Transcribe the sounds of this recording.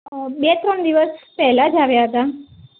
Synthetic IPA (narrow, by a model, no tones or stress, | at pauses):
bet̪ɾɔɳd̪iʋəspɛɦlad͡ʒaʋjaɦət̪a